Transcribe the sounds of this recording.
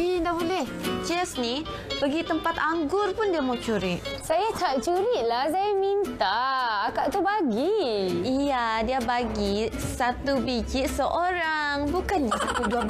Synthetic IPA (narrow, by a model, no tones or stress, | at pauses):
indabolɛht͡ʃɛsni | pəɡit̪əmpat̪aŋɡʊrpʊndiamawt͡ʃuɾɪʔ̚sajataʔt͡ʃuɾɪʔlahs̬ajamint̪akaʔt̪ubaɡiijadiabaɡisat̪ubit͡ʃiʔsəʔoɾaŋbukand͡ʒasat̪uduab